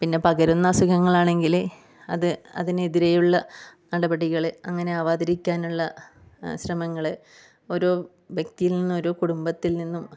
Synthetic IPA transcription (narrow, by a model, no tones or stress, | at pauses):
pinːe̞pɐɣɐɾunːɐsuɣɐŋːɐɭaːɳe̞ŋɡil | ɐðɨɐ̰ðineðiɾejuɭːɐnɐɽɐbɐɽiɣɐɭɐ̰ŋːɐne̞aʋaːd̪ɐɾikʲːaːnuɭːɐ | ɕrɐmɐŋːɐɭe | oɾoː | ʋjek̚t̪ijilninːɨo̞ɾoːkuɽumbɐt̪ːilninːum